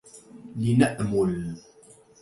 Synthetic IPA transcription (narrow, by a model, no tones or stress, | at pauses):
linaʔmʊl